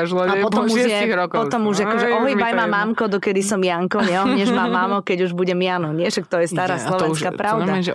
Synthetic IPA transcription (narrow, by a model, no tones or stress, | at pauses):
aʒlˠɔapɔt̪ɔmuɛjɛiɾɔkpɔt̪ɔmuʒakɔʒɛʔɔɦɔjiajmamaːmkɔd̪ɔkɛd̪isɔmjaŋkɔɲɛɔɲɛʒmaːmaːmɔkɛɟuʒbuɟɛmjaːnɔɲɪɛʃak̚t̪ɔjɛst̪aːɾaːslˠɔʋɛnskaːpɾaʊd̪aɛ